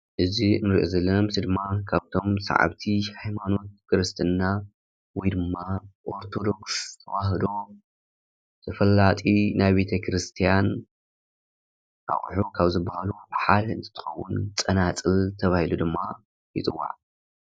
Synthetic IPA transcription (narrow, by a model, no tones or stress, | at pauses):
ʔɨzinɨɾiʔozɐlːɐnɐmsɨd̪ɨmːakʰaβt̪ʰo̞msa̰ʕa̰βt̪ʰihajmano̞t̪̚kʰɨɾɨst̪ʰɨnːa | wɔjd̪ɨmːaʔoɾt̪ʰo̞d̪o̞kst̪ʰɐ̰waɦd̪o̞ | t̪ʰɐfɐlːat̪ʼinajbe̞t̪ʰɐkʰɾɨst̪ʰijan | ʔa̰χʼħukʰaβzɨbːahaluaβħalɨnt̪ʰɨ̥t̪ʰɨ̥xɐwːʊnt͡sʼɐnat͡sʼɨlt̪ʰɐβahilud̪ɨmːa | jɨt̪ʼɨwːa̰ʕ